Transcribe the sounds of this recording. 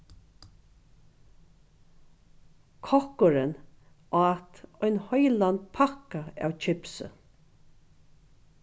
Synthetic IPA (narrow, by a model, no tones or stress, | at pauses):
kʰɔhkʊɾɪn | ɔat̪ɔjnhɔjlant̪pʰakaa̰ːwt͡ʃʰɪpsə̰